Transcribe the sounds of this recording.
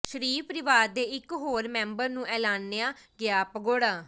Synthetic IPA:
ʃəɾiːpʰɾɪʋaːɾd̪eːɪkɦoːɾmɛ̃ːmbəɾnũːʔɛːlaːnːejaːɡɪaːpəɡoːɽaː

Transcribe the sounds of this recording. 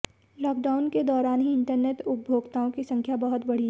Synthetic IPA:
lɔːk̚ɖaːʊnked̪ɔːɾaːnɦiɪ̃ɳʈəɾneːʈʊp̚bʱoːɡt̪aõkisɐ̃ŋkʰjabɐɦʊt̪bɐɽ̤iɦɛ

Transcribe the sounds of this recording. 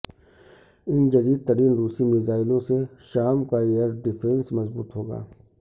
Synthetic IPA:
ɪnd͡ʒɐd̪iːd̪̚t̪ɐɾiːnɾuːsimɪzaːɪlõseʃaːmkaejəɾɖɪpʰɾɛ̃nsmɐzbuːt̪ɦoːɡa̰ː

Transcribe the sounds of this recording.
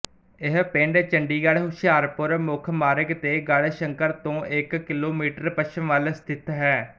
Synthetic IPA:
ɪɦpẽːɳɖt͡ʃəɳɖiːɡaɽɦuʃaːɾpʊɾmʊkʰmaːɾəkt̪eːɡaɽʃəŋkəɾt̪õːʔɪkːɪloːmiːʈəɾpəʃəmʋəlst̪ʰɪt̪ɦɛː

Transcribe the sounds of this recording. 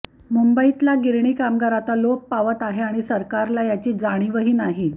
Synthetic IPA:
mumbəit̪laɡiɾɳiːkamɡaɾat̪alok̚paʋət̪aɦeaɽ̃isəɾkaɾlajat͡ɕiːd͡zaɽ̃iʋəɦiːnaɦi

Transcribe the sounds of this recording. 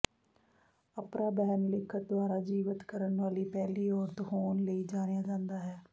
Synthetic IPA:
əpnaːbɛːnlɪkʰːət̪̚d̪ʊaːɾaːd͡ʒiːʋət̪kəɾənʋaːliːpɛːliːɔːɾt̪hoːnləiːd͡ʒaːnejaːd͡ʒãːnd̪aːɦɛː

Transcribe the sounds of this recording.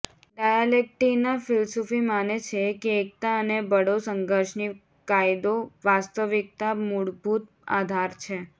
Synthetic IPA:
ɖajalek̚ʈinafɪlsofimanet͡ʃʰekeːk̚t̪aənebəɽosəŋɡʱəɾʃni | kajd̪oʋast̪əʋɪk̚t̪amuɽbʱut̪ | a̰d̪ʱaɾt͡ʃʰe

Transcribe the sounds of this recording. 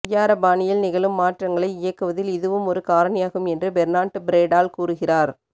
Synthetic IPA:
jaːɾɐbaːɳɪjɪlnɪɣɐlɯmːaːʈrɐŋɡɐɭɐɪɪjɐkːɯʋɐðɪlɪðɯʋɯmɔɾɯkaːɾɐɳɪjaːɣɯmɛndrɯbɛɾnaːʈːɯbɪɾeːɖaːlkuːrɯɣɪraːɾ

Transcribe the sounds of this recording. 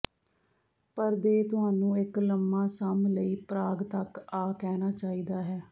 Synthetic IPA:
pəɾd̪eːt̪ʊɦaːnũːɪkləmːãːsəmləiːpɾaːɡt̪əkaːkɛːnaːt͡ʃaːiːd̪aːɦɛː

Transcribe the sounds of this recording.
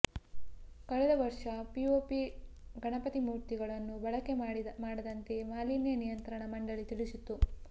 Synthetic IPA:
kɐɭɛd̪ɐʋɐɾʂɐpioːpiɡɐɳɐpɐt̪imuːɾt̪iɡɐɭɐnːubɐɭɐke̞maːɽɐd̪ɐnt̪e̞maːliːnjɐnijɐnt̪ɾɐɳɐmɐɳɖɐɭit̪iɭisit̪ːu

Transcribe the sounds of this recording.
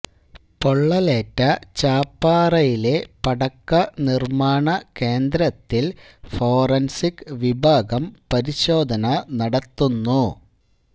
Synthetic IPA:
poɭːɐleːtːɐt͡ɕaːpːaːrɐjile̞pɐɽɐkːɐnirmaːɳɐke̞ːnd̪ɾɐt̪ːil | fo̞ːrɐnsikʋibʱaːɡɐmpɐɾiɕo̞ːd̪ʱɐnɐnɐɽɐt̪ːunːu

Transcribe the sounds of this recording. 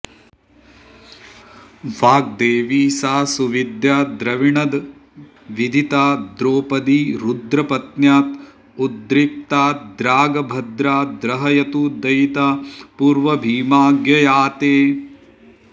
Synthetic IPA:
ʋaːɡ̚d̪eːʋiːsaːsuʋid̪jaːd̪ɾɐʋiɳɐd̪ | ʋid̪ʱit̪aːd̪ɾoːpɐd̪iɾud̪ɾɐpɐt̪njaːt̪ | ud̪ɾip̚t̪aːd̪ɾaːɡɐbʱɐd̪ɾaːd̪ɾɐɦɐjɐt̪ud̪ɐjt̪apuːɾʋɐbʱiːmaːɡjɐjaːt̪eː

